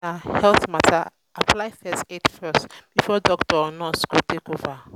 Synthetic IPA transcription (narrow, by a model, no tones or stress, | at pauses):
ahɛlθmatʰa̰ | aplajfɛsetfɜstb̥ifɔdɔktɔɔnɔskutʰekova